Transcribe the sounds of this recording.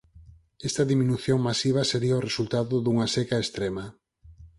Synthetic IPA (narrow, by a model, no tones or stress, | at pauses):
ɛst̪ɐðiminuθjoŋmasiβ̞ɐseɾiaoresult̪aðʊðuŋɐsekaest̪ɾemɐ